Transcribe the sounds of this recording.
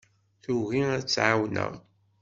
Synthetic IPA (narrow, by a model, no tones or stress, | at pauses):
θuɣiæt͡sːʕawnə̰ʁ